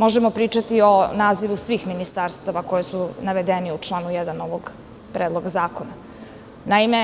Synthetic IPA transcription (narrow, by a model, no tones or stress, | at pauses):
mo̞ʒemo̞pɾiːt͡ʃat̪io̞naːziʋusʋiːxminist̪aɾst̪aʋako̞jesunaʋed̪eniut͡ʂlˠaːnujed̪anoʋoɡ | pɾʔeːd̪lˠo̞ɡazaːko̞na | naime